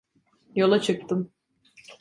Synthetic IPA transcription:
jo̞lˠat͡ʃʰɯk̚t̪ʰɯm

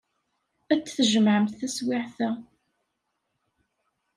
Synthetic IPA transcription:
æt͡sːθəʒəmʕəmθθæswɪʕθæ

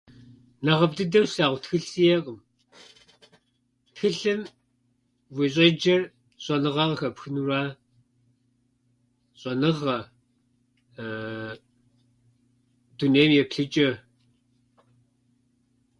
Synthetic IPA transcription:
nɐʁɐp̚tʼɨdɐwsaːʁʷtxɨɬsijeqʼəm | txɨɬɨm | wiɕʼed͡ʒɐr | ɕʼɐnɨʁɑʁɐxɐpxɨnuraː | ɕʼɐnɨʁɐ | d̥uneːmjɛpɬɨt͡ʃʼɐ

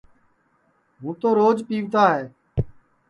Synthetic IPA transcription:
ɦũːt̪oːɾoːd͡ʒpiːʋt̪aːɦeː

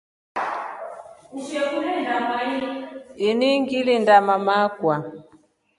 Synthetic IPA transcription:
uʃɛkulɛndamaiiniŋɡilindamamakwa

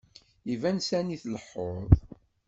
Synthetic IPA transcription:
ivænsæniθləħːoðˤ

